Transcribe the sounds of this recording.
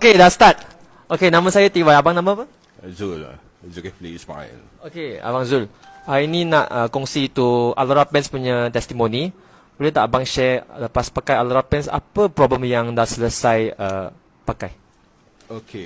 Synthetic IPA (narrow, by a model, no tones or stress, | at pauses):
okedast̪at̪̚ | okenãmə̃sajat̪iwajabaŋnãmə̃apə | zul̰ | zukplispa̰ə̰n | okea̰baŋzul | haininãʔəkɔŋsiːt̪ua̰laɾapɛnspuɲat̪ɛst̪imõnĩ | bolit̪a̰ʔabaŋʃɛləpaspakajalaɾapɛnsa̰pəpɾɔbləmjaŋdasələsajə | pakaj | okʰe